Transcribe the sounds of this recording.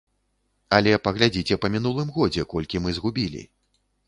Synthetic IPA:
ɐlʲɛpɐɣlʲad͡zʲit͡sʲɛpɐmʲin̪ulˠɨmɣɔd͡zʲɛkɔlʲkʲimɨzɣubʲilʲḭ

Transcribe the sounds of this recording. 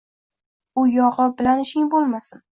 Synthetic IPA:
ʊjɒʁɨbɪlanɪʃɪŋbolˠmasɪn

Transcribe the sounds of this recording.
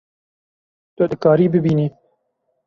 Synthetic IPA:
t̪ʊd̪ɨkɑːɾiːbɨbiːniː

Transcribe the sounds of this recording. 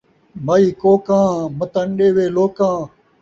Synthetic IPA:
maiːkoːkãːmət̪ənɗeːʋeːloːkãː

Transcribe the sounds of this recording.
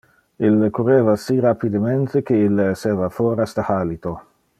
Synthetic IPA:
ilkureːvasirapid̪ement̪ek̟eileseːvafoɾast̪ahaːlit̪o

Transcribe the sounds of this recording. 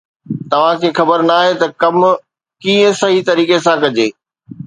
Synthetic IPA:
t̪ɐʋ̤ãkʰeːxɐbəɾnaːɦet̪ɐkɐm | kiːə̃sɐɦit̪ɐɾiːkesãkɐd͡ʑeː

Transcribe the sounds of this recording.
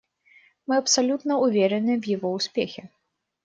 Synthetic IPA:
mɨɐpsalʲut̪nɐuvʲɛɾɛnɨvjiɣɔusʲpʲexʲɛ

